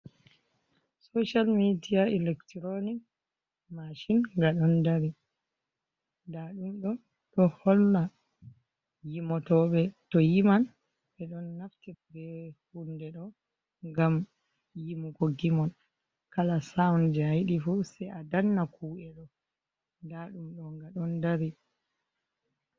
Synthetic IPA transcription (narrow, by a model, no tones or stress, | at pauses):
soʃalmidijaɛlɛktɾonik | maʃinŋɡaɗɔndaɾi | daɗumɗɔ | tɔhɔlːa | jimɔtɔɓɛtɔjiman | ɓɛɗɔnːaftibɛhundɛɗɔ | ŋɡam | jimukɔɡimɔn | kalasaɔnd͡ʒajɗifusɛjʔadanːakʰuːʔɛɗɔ | daɗumɗɔŋɡaɗɔndaɾi